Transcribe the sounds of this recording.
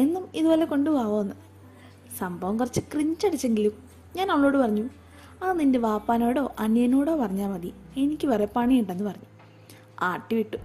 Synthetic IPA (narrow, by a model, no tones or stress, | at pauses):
e̞nːumiðubo̞ːle̞ko̞ɳɖupaːʋoːnːɨ | sɐmbʱɐʋɐmkɐrɐt͡ɕːɨkriɲt͡ɕːɐɽit͡ɕːe̞ŋɡilum | ɲaːnɐmːɐɭo̞ːɽɨpɐrɐɲːu | aːninde̞ʋaːpːaːnoːɽo̞ːʔɐnjɐnoːɽo̞ːpɐrɐɲːaːmɐði | e̞nikʲːɨʋɐrepːaɳijiɳʈːenːɨpɐrɐɲːu | aːʈːiʋiʈːu